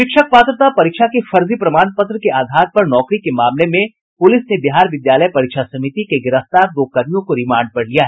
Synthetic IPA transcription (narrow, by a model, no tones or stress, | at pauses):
ʃɪkʃək̚paːt̪ɾət̪apɐɾɪkʃʰakefɐɾzipɾɐmaːnpɐt̪ɾəkeʔaːd̪ʱaːɾpɐɾnɔːkɾikemaːmlemẽ | pʊlɪsnebɪɦaːɾʋɪd̪jaːləjpɐɾɪkʃasɐmɪt̪ikeɡɪɾəft̪aːɾd̪oːkɐmijõkoɾɪmãːɳɖ̚pɐɽlijaɦɛː